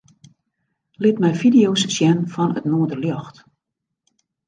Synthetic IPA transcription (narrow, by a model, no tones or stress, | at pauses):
lɪtmɛjfidijowssjɛnfɔnətnoədərljɔxt